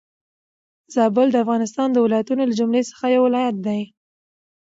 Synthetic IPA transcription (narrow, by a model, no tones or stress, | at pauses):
zɑbəld̪əafɣɑnɪst̪ɑnd̪əwɪlɑjat̪unolad͡ʒʊmlesə̥xajawɪlɑjat̪̚d̪aj